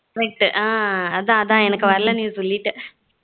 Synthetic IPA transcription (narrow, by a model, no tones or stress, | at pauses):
kɐɾɛk̚ʈʔãːɐðãːɐðãːɛnɐkːɯʋɐɾɐlɐnjuːsʋɐlːiʈːɯ